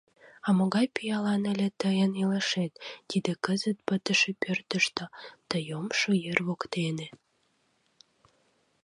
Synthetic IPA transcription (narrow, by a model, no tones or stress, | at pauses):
ɑmoɣɑjpijɑlɑnəlʲet̪əjənileʃet̪ːid̪ekəzət̪̚pət̪əʃepørt̪əʃt̪ot̪əjomʃojerβokt̪ene